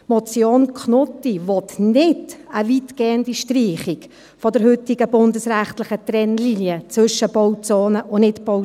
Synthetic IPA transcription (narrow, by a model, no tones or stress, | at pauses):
mɔt͡sjoːnkʰχnɔtːivɔtnɪdəvitɡ̥eːəndiʃtriːχɪk | fɔdəɾhʏtɪɡəbʊndəsræχtlɪχətrɛnlinjət͡svʏʃəb̥owt͡soːnəʔʊnɪtbow